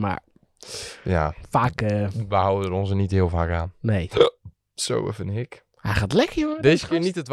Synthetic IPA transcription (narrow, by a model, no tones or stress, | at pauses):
ma̰ɹ | ja̰faːkəʋəhawədərɔnsənithɪːəlˠfaːkaːnnej | so̰wə̰fənhɪk | hɛjχaːtlɛkəjoŋədejzəkɪːɹnitətʋ